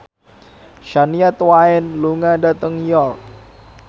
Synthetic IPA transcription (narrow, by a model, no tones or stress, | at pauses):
ʃaniat̪waɛnluŋadat̪əŋjɔrk̚